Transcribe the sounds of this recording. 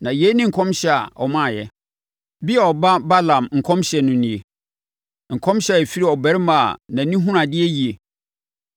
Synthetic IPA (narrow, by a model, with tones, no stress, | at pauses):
nã˨jɛ˦nɪ̃˦ŋ̩˨kʰɔ̃˦mɕɛ˦a̰˨ʔɔ̰˨mã˦˨jɛ˦ | bi˦ɛ˨ɔ˨ba˦ba˦lã˨mŋ̩˨kʰɔ̃˦mɕɛ˨nʊ̃˨nĩ˨e˨ | ŋ̩˨kʰɔ̃˦mɕjɛ˨fi˦ɾi˦˨ɔ˨bɛ˨˦ɾma̰˨nã˨nĩ˦ɦũ˦ɾã˨dɪ˦ɛ˦ji˨e˨